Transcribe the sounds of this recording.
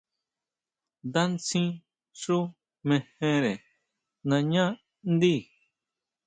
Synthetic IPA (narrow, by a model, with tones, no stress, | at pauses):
d̪a˦nt͡sĩ˦ | ʂu˦ | mẽ˧hẽ˧ɾe˨ | nã˧ɲã˦ | nd̪i˦˨